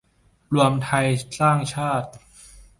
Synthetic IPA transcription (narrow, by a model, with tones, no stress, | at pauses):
lu˧əmt̪ʰa˧jsaː˥˩ŋt͡ɕʰaː˥˩t̪̚